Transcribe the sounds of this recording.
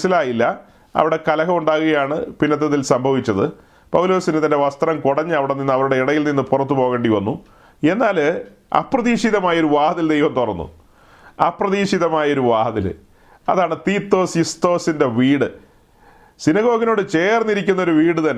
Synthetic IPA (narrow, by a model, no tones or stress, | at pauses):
silaːjilːɐ | ɐ̰ʋiɽe̞kɐlɐɣɐmuɳɖaːɣuɣɐjaːɳɨpinːɐt̪̬ːɐðilsɐmbʱɐʋit͡ɕʲːɐðɨ | pɐwlo̞ːsinɨt̪ɐnde̞ʋɐst̪rɐmkuɽɐɲːɨɐʋiɽeninːɐʋɐɾuɽe̞iɽɐjilninːɨpurɐt̪ːupo̞ːɣeːɳɖiʋɐnːu | e̞nːaːl | ɐ̰pːrɐðiːʂiðɐmaːjɐoɾuʋaːɦɐðild̪ejʋɐmt̪orɐnːṵ | ɐprɐðiːʂiðɐmaːjɐo̞ɾuʋaːɦɐðḭl | ɐ̰ðaːɳɨt̪iːt̪ːo̞ːsist̪o̞ːsinde̞ʋiːɽɨ | sinɐɣo̞ːɣino̞ːɽɨt͡ɕe̞ːrnːiɾik̬ʲːunːɐoɾuʋiːɽɨt̪ɐnːe